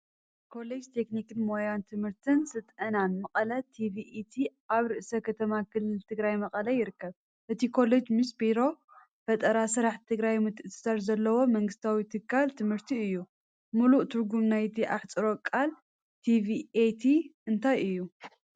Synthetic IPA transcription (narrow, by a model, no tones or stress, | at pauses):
kʰo̞led͡ʒt̪ʰe̞knikɨnmo̞jant̪ʰɨmhɨɾt̪ʰɨnsɨt̪ʼɐnanmɐqʼɐlɐt̪ʰiviʔet̪ʰiʔaβɾɨʔsɐkʰɐt̪ʰɐmakʰɨlːɨlt̪ʰɨɡɾajmɐqʼɐlɐjɪɾɨkːɐβ | ʔɨt̪ʰikʰo̞led͡ʒmisbiɾo̞ | bɐt̪ʼɐɾasɨɾaħt̪ʰɨɡɾajmɨt̪ʰɨ̥sɐɾzɐlːɐwo̞mɐŋɡɨst̪ʰawit̪ʰɨkʰːalt̪ʰɨmhɨɾt̪ʰiɨjːu | muluʔt̪ʰɨɾɡumnajt̪ʰiʔaħt͡sʼɨɾo̞kʼal | t̪ʰiviet̪ʰiɨnt̪ʰajɨjːu